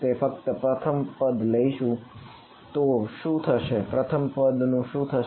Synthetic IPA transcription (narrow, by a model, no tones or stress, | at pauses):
t̪efək̚t̪əpɾət̪ʰəmpəd̪ʱləiʃũ | t̪oʃũt̪ʰəʃepɾət̪ʰəmpəd̪nũʃũt̪ʰəʃ